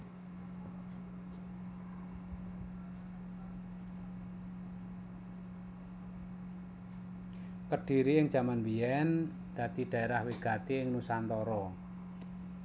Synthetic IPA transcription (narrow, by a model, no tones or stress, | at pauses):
kəɖ̥i̤ɾiɪŋ̥ʒ̥ä̤manbiɛn | d̪̥ä̤d̪̥id̥ä̤eɾahwiɡ̥a̤t̪iɪŋnusant̪ɔɾɔ